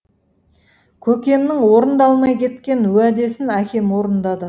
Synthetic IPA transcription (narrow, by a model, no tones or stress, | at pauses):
kʲʰɵkʲe̞mnɪŋwo̞ɾənd̪ɑlˠmɑjkʲʰe̞t̪kʲe̞nɵæd̪e̞sɪnækʲʰe̞mwo̞ɾənd̪ɑd̪ə